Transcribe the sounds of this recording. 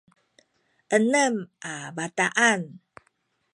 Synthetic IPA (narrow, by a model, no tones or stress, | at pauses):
ʔənəmʔabat̪aʔan